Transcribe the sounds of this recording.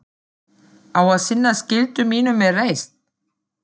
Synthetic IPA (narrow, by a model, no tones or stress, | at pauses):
awaðsɪnːascɪlt̪ʏmiːnʏmːɛrejst̪̚